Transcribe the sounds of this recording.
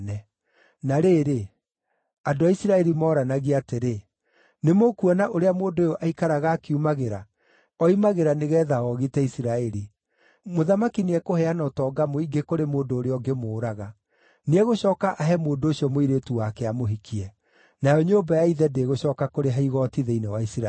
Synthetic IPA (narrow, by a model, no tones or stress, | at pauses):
ɛ | naɾeːɾe | andoaisiɾaɛɾimɔːɾanaɣiateɾe | nemokuɔnaʔoɾeamoːndojoʔaikaɾaɣaːkiumaɣeɾa | ɔimaɣeɾaneɣɛːðaɣɔɣitɛisiɾaɛɾi | moðamakineɛkohɛanɔtɔːɡamoiɡekoɾemoːndoːɾeɔɡemoːɾaɣa | neɛɣoɕɔːkaʔaɦɛmoːndooɕiɔmoiɾetuwakɛamoɦikʰiɛ | najɔɲoːbajaiðɛdeːɣoɕɔːkakoɾeɦaiɣɔtiðeinewaisiɾa